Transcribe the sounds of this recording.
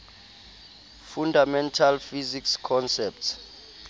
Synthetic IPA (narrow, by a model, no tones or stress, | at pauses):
fundʱamɛntʰalfizikskʰɔnsɛp̚ts